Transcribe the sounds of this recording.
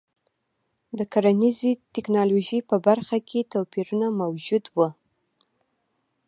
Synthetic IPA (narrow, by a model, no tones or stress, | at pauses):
d̪əkaɾanizit̪ɪknɑloʒipəbaɾxakʰet̪apiɾunamawd͡ʒud̪wə